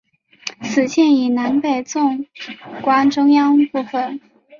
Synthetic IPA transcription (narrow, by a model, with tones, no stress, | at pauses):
t͡sʰɹ̩˨˩ɕjɛ˥˩ni˨˩na˧˥npe˨˩ɪt͡sʊ˥˧ŋkwa˥nʈ͡ʂʊ˥ŋjɑ˥ŋpu˥˩fə˨˩n